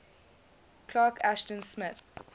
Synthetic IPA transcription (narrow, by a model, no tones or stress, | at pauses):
kʰlaːkʰæʃtə̃nsmɪθ